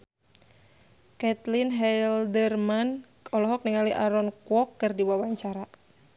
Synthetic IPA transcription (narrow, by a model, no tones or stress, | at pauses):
kɛt̪linɦɛldərman | ɔlɔɦɔk̚niŋaliʔaɾɔnkwɔkːɨrdiwawaɲt͡ʃaɾa